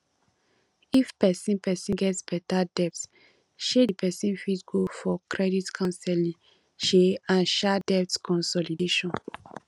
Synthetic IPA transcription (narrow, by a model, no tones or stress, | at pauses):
ifpɛsĩnpɛsĩnɡɛtsb̥ɛtadɛpt | ʃedipʰɛsĩnfitɡofɔkɹɛditkʰãnsɛlĩ | ʃeãnʃɛdɛptkɔ̃nsɔlideʃɔ̃n